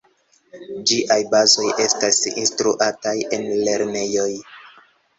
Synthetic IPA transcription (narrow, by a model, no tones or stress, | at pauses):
d͡ʒiʔajbazo̞jʔe̞stasinstɾuʔataje̞nle̞ɾne̞jo̞j